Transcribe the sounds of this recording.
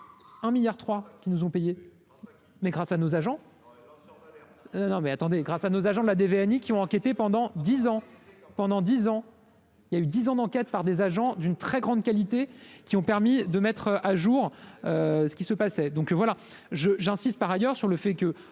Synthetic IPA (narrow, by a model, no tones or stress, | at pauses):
ɛ̃miljaʁt̪χwakʲinuzɔ̃peje | mɛɡʁasanozaʒɑ̃ | nɔ̃mɛat̪ɑ̃d̪eɡʁasanozaʒɑ̃d̪əlad̪eveɛnikʲiɔ̃ɑ̃kʲet̪epɑ̃d̪ɑ̃d̪izɑ̃pɑ̃d̪ɑ̃d̪izɑ̃ | iljayd̪izɑ̃d̪ɑ̃kʲɛt̪̚paʁd̪ezaʒɑ̃d̪ynt̪χɛɡʁɑ̃d̪kalit̪ekʲiɔ̃pɛʁmid̪əmɛt̪χøʔaʒuʁøsə̥kʲisəpasɛd̪ɔ̃kvwala | ʒəʒɛ̃sist̪̚paʁajœʁsyʁləfɛkə